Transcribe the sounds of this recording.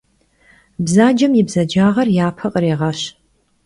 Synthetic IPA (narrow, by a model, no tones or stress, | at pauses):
bzaːd͡ʒɐmjɪbzɐd͡ʒaːʁɐrjaːpʰɐqʼəɾeːʁɑɕ